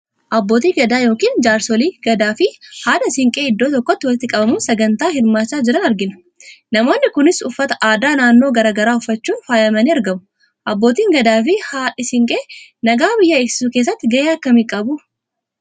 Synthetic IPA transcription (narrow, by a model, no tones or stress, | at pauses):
ʔɐbːo̞ːt̪iːɡɐd̪aːjo̞ːkiːnd͡ʒaːɾsɔliːɡ̥ɐd̪aːfɪhaːᶑɐsɪŋkʼe̞ːɪd̪ːoːt̪ɔkːɔt̪ːɪwɐlɪt̪ɪkʼɐbɐmusɐɡɐnt̪aːhɪɾmaːt͡ʃːaːd͡ʒɪɾɐnɐɾɡɪnɐ̥ | nɐmo̞ːnːɪkʊnɪsʊfːɐt̪ɐʔaːd̪aːnaːnːo̞ːɡɐɾaːɡɐɾaːʊfːɐt͡ʃːuːnfaːjɐmɐniːɐɾɡɐmʊ̥ | ʔɐbːo̞ːt̪iːŋɡɐd̪aːfɪhaːᶑɪsɪŋkʼeːnɐɡaːbɪjːɐeːksɪ̥suːke̞ːs̬ːɐt̪ːɪɡɐjeːɐkːɐmiːkʼɐbʊ